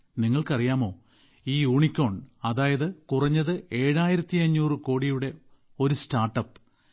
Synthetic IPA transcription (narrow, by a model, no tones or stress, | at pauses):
niŋːɐɭkɐrijaːmo̞ː | iːuːɳikʲːo̞ːɳɐðaːjɐðɨkurɐɲːɐðɨe̞ːɻaːjiɾɐt̪ːiɐɲːuːrɨko̞ːɽijuɽe̞ | o̞ɾustaːrʈːɐpː